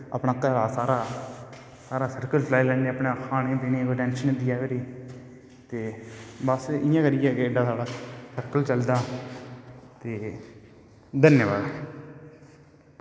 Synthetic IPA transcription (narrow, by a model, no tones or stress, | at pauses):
əpɳãːkəlaːsaːɾaː | saːɾaːsəɾkəlt͡ʃəlaːilɛ̃ːneəpɳẽːkʰaːnẽːt̪enẽːkoʈɛ̃ːnʃənɪd̪ɪjaːʋeɾiː | t̪eːbəsɪjãːkəɾɪjɛːkeɖãːt̪ʰaːɽaːsəɾkəlt͡ʃəld̪aː | t̪eː | d̪ənjbaːd